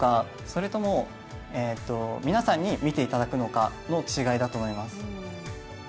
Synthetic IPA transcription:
ka | so̞ɾe̞t̪o̞mo̞ | et̪ːo̞mʲinasãɲ̟ːimʲit̪e̞it̪ad̪akɯ̟no̞ka̰no̞t͡ɕiɡaid̪at̪oːmoimasɨ̥

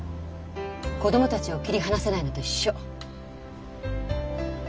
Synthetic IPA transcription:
ko̞d̪o̞mo̞t̪at͡ɕiokʲiɾʲiɦanase̞naino̞d̪e̞iɕːo

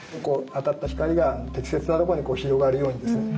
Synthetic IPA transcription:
okoːat̪at̪ːaçi̥kaɾʲiɡanot̪e̞kʲi̥se̞t͡sɨnat̪okooɲikoːçiɾo̞ɡaɾɯ̟jo̞ːɲ̟id̪e̞sɨne

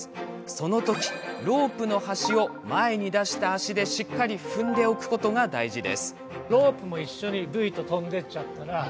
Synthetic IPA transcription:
so̞no̞t̪o̞kʲi̥ɾo̞ːpɯ̟no̞haɕio̞mae̞ɲ̟id̪aɕi̥t̪aːɕid̪e̞ɕikːaɾʲiɸɯ̟̃nd̪e̞o̞kɯ̟̥ko̞t̪o̞ɡad̪aiʑid̪e̞̰sɨ̥ | ɾo̞ːpɯ̟mo̞iɕːo̞ɲ̟ibɯ̟it̪o̞t̪õ̞nd̪e̞t͡ɕat̪ːaɾa

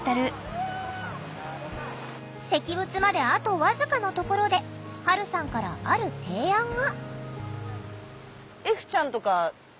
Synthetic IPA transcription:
t̪aɾɯ̟ | se̞kʲibɯ̟t͡sɨmad̪e̞at̪o̞βazɨkanot̪o̞ko̞ɾo̞d̪e̞haɾɯ̟sãŋkaɾa̰aɾɯ̟t̪ʰe̞ːãŋɡa | eɸɯ̟̥t͡ɕãnt̪o̞ka

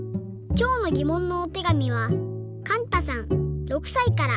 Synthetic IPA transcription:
kʲo̞ːno̞ɡʲimõ̞nːoːt̪e̞ɡamʲiβa | kãnt̪asãŋɾo̞kɯ̟̥saikaɾa

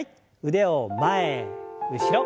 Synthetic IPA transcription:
t̚ | ɯd̪eomaeɯɕiɾʌ

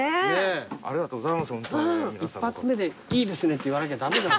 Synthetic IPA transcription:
nea̰ɾed̪at̪oːɡozaimashõñmiipːat͡sɨme̞d̪e̞iːd̪e̞sɨne̞t̪ːeiβanak̬ead̪amed̪a

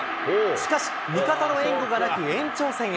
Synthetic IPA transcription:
ɕi̥kaɕi̥mʲikat̪ano̞ẽ̞ŋɡo̞ɡanakɯ̟ẽ̞ɲ̟t͡ɕo̞ːsẽɰ̃

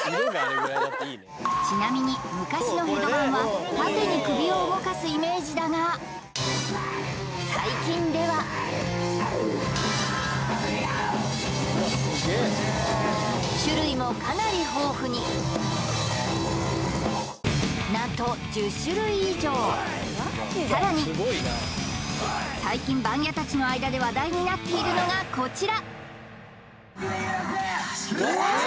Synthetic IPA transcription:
t͡ɕinamʲiɲ̟imɯ̟kaɕino̞ɦeɡ̪obãɰ̃βakakɯɲ̟ikɯ̟bʲio̞ɯbo̞kasɨime̞ːʑid̪ana | saikʲĩnd̪e̞βa | ɕɨɾɯ̟imo̞kanaɾʲiɦo̞ːɸɯ̟ɲ̟i | nat̪o̞d͡ʑɨɕɨɾɯ̟iːʑo̞ː | saɾaɲ̟i | saikʲĩmbãŋɡʲat̪at͡ɕino̞aid̪ad̪e̞βad̪aiɲ̟inat̪ːe̞iɾɯ̟no̞ɡako̞t͡ɕiɾa

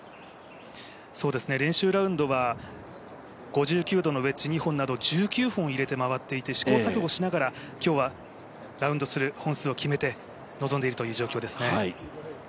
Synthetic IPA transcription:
so̞ːd̪e̞sɨne̞ɾẽ̞ɰ̃ɕɨːɾaɯ̟̃nd̪o̞βa | ɡ̥o̞ʑɨːkʲɨːd̪o̞no̞βe̞t͡ɕiɲ̟ihõ̞nːad̪o̞d͡ʑɨːkʲɨːɸɯ̃ɰ̃iɾe̞t̪e̞maβat̪ːe̞it̪e̞ɕi̥ko̞ːsakoɡo̞ɕinaɡaɾakʲo̞ːβa | ɾaɯ̟nd̪o̞sɨɾɯ̟hõɰ̃sɨːo̞kʲime̞t̪e̞ | no̞zo̞nd̪e̞iɾɯt̪ojɯ̟ːʑo̞ːkʲo̞ːd̪e̞sɨ̥ne̞

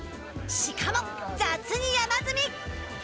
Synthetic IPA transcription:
ɕikʰamɔk̚t͡sat͡sʰɯɲijamat͡sɯmik̚

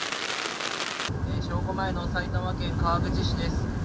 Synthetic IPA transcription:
eːɕo̞ːko̞maeno̞sait̪amakẽ̞ŋkaːɡɯ̟d͡ʑiɕid̪e̞sɨ̥

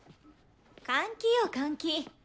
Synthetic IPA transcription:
kaŋkijokaŋki

